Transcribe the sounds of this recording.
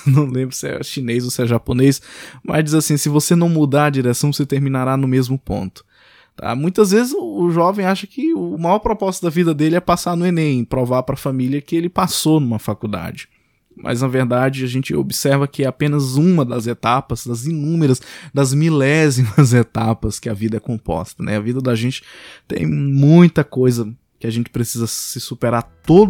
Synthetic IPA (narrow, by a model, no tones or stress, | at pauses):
nɐ̃w̃lẽmbɾʊsɪɛ̰ʃinejzosɪɛʒaponejsmɐ̰zd͡ʒizasĩsɪvosenɐ̃w̃mud̪aɾɐd͡ʒiɾɛsɐ̃w̃set̪eɾmĩnaɾanʊmezmʊpõ̰nt̪ʊ̥ | t̪ʰa̰mũj̃t̪ɐzvezɪzʊːʒɔvẽj̃aʃɐkɪʊːmajɔɾpɾɔpɔst̪ʊd̪ɐvid̪ɐd̪elɪɛpasaɾnʊenẽj̃pɾovaɾpɾɐfamiliɐkɪelɪpasonũmɐfakud̪a̰d͡ʒɪ | mʔɐ̰znɐveɾd̪ad͡ʒɪaʒẽnt͡ʃɪo̰bɪsɛɾvɐkɪɛapẽnɐzũmɐd̪ɐzet̪apɐzd̪ɐzinũmeɾɐsd̪ɐzmilɛzimɐzet̪apɐskɪɐvid̪ɐɛkõpɔ̰st̪ɐnɛ̰ɐvid̪ɐd̪aʒẽnt͡ʃɪ̥t̪ḛ̃j̃mũj̃t̪ɐkojzɐ | kɪaʒẽnt͡ʃɪ̥pɾesizɐsɪsupeɾaɾt̪od̪